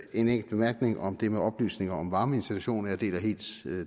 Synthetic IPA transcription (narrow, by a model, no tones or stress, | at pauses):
e̝neŋ̰ɡl̩b̥e̝mæɐɡ̥ne̝ŋʔɒ̽md̥e̝meɒ̽b̥ly̰ːsne̝ŋɐɒmʋɑ̈ːməe̝nsd̥it͡sʰuɕo̝̰ːnɐjɑ̈d̥e̝̰ːlɐɦe̝̰ːld̥